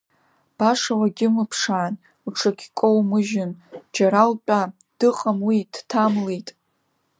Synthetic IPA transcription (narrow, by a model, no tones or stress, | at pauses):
b̥aʂawaɡʲɪmɨpʰʂaːn | uʈ͡ʂʰakʲʰkʷʼowmɨʒɪnd͡ʒaɾalpʲʷʼa | d̥ɨqʼamwid̥tʰamlejtʼ